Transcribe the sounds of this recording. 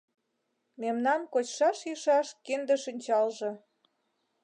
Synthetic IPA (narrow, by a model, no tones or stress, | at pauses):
memnɑmkot͡ɕʃɑʃjiʃɑʃkend̪ə̆ʃinʲt͡ɕɑlʒɤ̆